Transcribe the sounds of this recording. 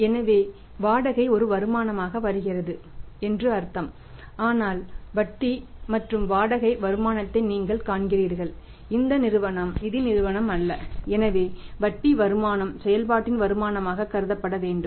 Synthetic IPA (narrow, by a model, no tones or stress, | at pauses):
ɛnɐʋeː | ʋaːɽɐɣɐɪɔɾɯʋɐɾɯmaːnɐmaːɣɐʋɐɾɯɣɪrɐðɯɛndrɯɐɾt̪ɐm | aːnaːlʋɐʈːimɐʈrɯmʋaːɽɐɣɐɪʋɐɾɯmaːɳɐt̪ːɐɪniːŋɡɐɭkaːɳɣɪriːɾɣɐɭ | ɪnd̪ɐnɪɾɯʋɐɳɐmnɪðinɪɾɯʋɐɳɐmɐlːɐɛnɐʋeːʋɐʈ̚ʈːiʋɐɾɯmaːnɐmsɛjɐlpaːʈːɪnʋɐɾɯmaːnɐmaːɣɐkːɐɾɯðɐpːɐɽɐʋeːɳɖɯmm